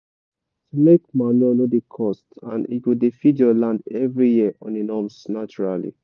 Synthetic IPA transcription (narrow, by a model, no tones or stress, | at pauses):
tumekmaniɔnodikʰɔstã̰nḭtwidefidjɔlãndɛvɹijiəʔɔ̃ninɔmsnat͡ʃuɹalḭ